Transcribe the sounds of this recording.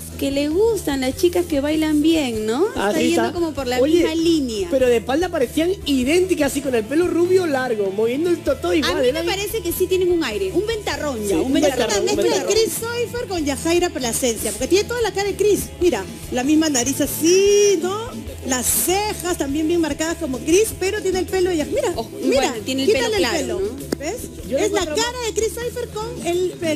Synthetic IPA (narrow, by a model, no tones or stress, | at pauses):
ke̞le̞ɣ̞ust̪anlast͡ʃikaske̞βajlambje̞ŋno̞eaasied̪oko̞mo̞po̞ɾlaoiʎemalinjapeɾo̞ðepald̪apaɾeθiaŋiðe̞nt̪ikasiko̞ne̞lpe̞loruβjo̞laɾɣomoβje̞nd̪oelt̪ot̪oiawmaleepaɾe̞sekesit̪jeneŋuŋajɾe̞umbe̞nt̪aronjaumbebeat̪aɾoeb̪aɾisojfeɾkoɲʝaxajɾapɾelasensjapoɾket̪jenet̪oðalakajekɾismiɾa | lamizmanaɾisasino | lasːexast̪ambje̞mbje̞ŋmaɾkaðasko̞mo̞kɾispe̞ɾo̞t̪jenelpe̞loðeʝaxmiɾamiɾat̪jenekialepelobes | oezlakaɾaðekɾisːojfeɾko̞ŋelpe